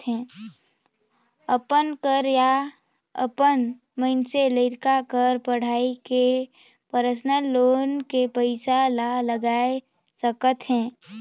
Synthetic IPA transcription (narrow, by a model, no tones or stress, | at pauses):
ɦɛ̃ː | əpənkəɾja | ə̰pən | məɪnseləɪɾkakəɾpəɽ̤aːike | pəɾəsnəloːnkepəɪsalaləɡaːe | səkət̪ɦɛ̃ː